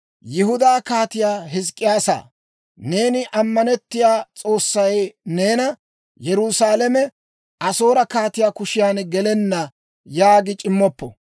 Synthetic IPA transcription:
jɪhʊd̪aːkaːt̪ɪjaːɦɪs̬kʼːɪjaːsa̰ː | ne̞ːnɪʔɐmːɐnɛt̪ːɪjaːt͡sʼo̞ːsːɐjne̞ːnɐ | jɛɾʊsaːlɛmɛ | ʔɐso̞ːɾɐkaːt̪ɪjaːkʊʃɪjaːnɡɛlɛnːɐ | jaːɡɪt͡ʃʼɪmːɔpːɔ̰

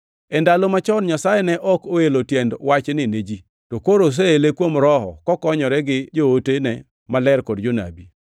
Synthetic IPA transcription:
ɛndalomat͡ʃɔnɲasajɛnɛʔɔkoelotjɛndwat͡ʃnɪned͡ʒi | tokoɾos̬eelekwomɾɔɦɔ̰kɔkɔɲɔɾɛɡɪd͡ʒootenɛ | malɛɾkɔdd͡ʒona̰bi

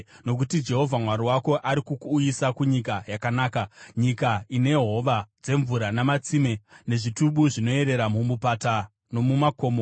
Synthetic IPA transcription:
no̞k̬utid͡ʒe̞ɦo̞vʱamwaɾiwako̞ʔaɾikukuːjisakuɲikajakanaːkaɲikaine̞ɦo̞ʋad͡ze̞ɱvuɾanamat͡sime̞ne̞ʐituɓuʐino̞e̞ɾe̞ɾamumupata | no̞mumako̞ːmo

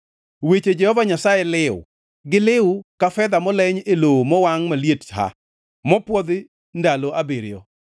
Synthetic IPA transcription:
wet͡ʃed͡ʒɛhɔvaɲasajɛlɪʊ̰ | ɡɪlɪʊkafɛd̪amɔlɛɲelowmɔwaŋmaljetha̰ | mɔpwɔd̪ɪ | ndaloʔabeɾɪjɔ̰

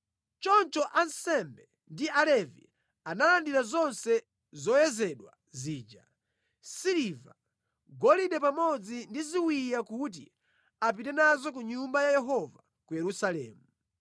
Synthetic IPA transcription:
t͡ʃɔnt͡ʃɔʔansɛmbɛ | ndialɛvḭ | analandiɾazɔnsɛ | zɔjɛzɛɗwa | ziːd͡ʒa | siliva | ɡɔliɗɛpamɔd͡zindiziwijakut̬ḭ | ap̬itɛnazɔk̬uɲumbajajɛɦɔva | kujɛɾusalɛ̰ːmu

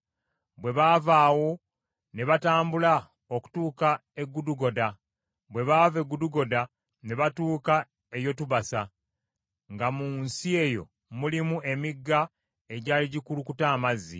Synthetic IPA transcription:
bwe̞βaːvaːwo̞ | ne̞βataːmbula | oku̥tuːkae̞ɡːuduɡo̞da | βwe̞βaːve̞ɡuduɡo̞da | ne̞βatuːka | e̞jo̞tuβasa | ŋɡamunsie̞jo̞̰ | mulimuʔe̞miɡːa | e̞ɟaːliɟikulukutaːmazːḭ

